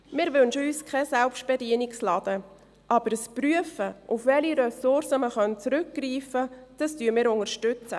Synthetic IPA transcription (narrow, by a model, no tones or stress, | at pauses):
mɪːɾʋønʃəyːskʰɛsɛlpʃt̚b̥ɛdiənɪkslɑd̥ə | ʔɑbəɾəspɾyəfəʔufʋɛliɾɛsʊɾsəməχœnt͡sɾʏk̚ɡ̥riːfəd̥ɑstyəmɪːɾʊŋərʃtʏt͡sə̰